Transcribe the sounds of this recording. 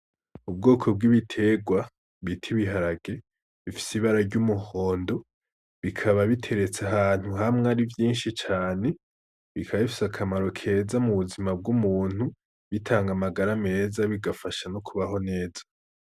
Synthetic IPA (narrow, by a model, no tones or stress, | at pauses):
ubɡo̞ːkʰo̞b̚ɡiβitʰe̞ɡwa | βitʰiβiɦaɾaɡ̥e̞ | βifi̥siβaɾaɾɟumuho̞ːndo̞ | βikʰaβaβitʰe̞ɾe̞t͡saɦaːn̥huɦamŋeaɾivjiːnʃit͡ʃaːne̞ | βikʰaβaifi̥sakʰamaɾo̞kʰe̞zamuβuzimab̚ɡumuːn̥hu | βitʰaːŋɡamaɡaɾame̞ːzaβiɡafaʃanokʰuβaɦo̞ne̞ːz̥ḁ